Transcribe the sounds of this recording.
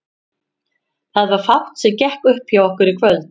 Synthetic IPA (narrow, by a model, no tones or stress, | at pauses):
θaðvaɾ̥faw̥t̪sɛcɛhkʏhphjawɔhkʏɾikʰvœlt̪